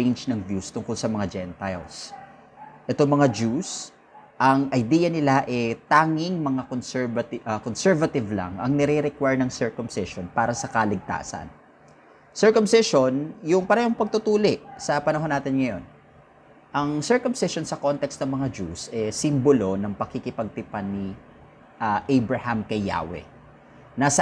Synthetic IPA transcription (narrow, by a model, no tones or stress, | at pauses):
ɛnd͡ʒnɐŋvjust̪ʊŋkolsɐmɐŋad͡ʒɛnt̪aj̰s | ʔɛt̪oŋmɐŋad͡ʒus | ʔɐŋʔɐjd̪iːjɐnɪlaʔɛt̪aːŋɪŋmɐŋakonsɛɹvɐt̪ɐkonsɛɹvɐt̪ɪvlɐ̰ŋʔɐ̰ŋnɛɾɪɾɛkwaɹnɐŋsɛɹkʊmsɪʃonpaːɾɐsɐkɐlɪɡ̚t̪a̰ːsɐ̰n | sɛɹkʊmsɪʃonjʊŋpɐɾɛhoŋpɐɡ̚t̪ʊt̪uːlɪʔsɐpɐnɐɦonːaːt̪ɪnŋɐjo̞̰n | ʔɐŋsɛɹkʊmsɪʃonsɐko̞nt̪ɛkst̪nɐŋmɐŋad͡ʒusʔɛsimbolo̞nɐŋpɐkɪkɪpɐɡ̚t̪ɪpanːi | ʔɐʔɛjbɹɐhamkɐjːa̰ːwɛ̰ | nasɐ